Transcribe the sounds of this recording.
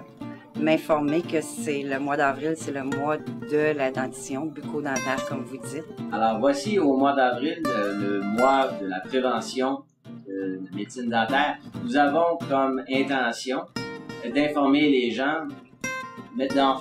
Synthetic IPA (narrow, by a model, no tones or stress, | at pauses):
mɛ̃fɔʁmekəsɛləmwad̪ɑːvʁilsɛləmwad̪əlad̪ɑ̃t̪i̥sjɔ̃bykʰod̪ɑ̃ːt̪ɛːʁkɔmvud͡zɪt̪̚alɔːʁvwasiomwad̪ɑːvʁilləmwad̪əlapχevɑ̃sjɔ̃ | d̪əlamed̪sɪnd̪ɑ̃ːt̪ɛːʁnuzavɔ̃kɔmɛ̃t̪ɑ̃sjɔ̃d̪ɛ̃fɔʁmeleʒɑ̃ | mɛd̪ɑ̃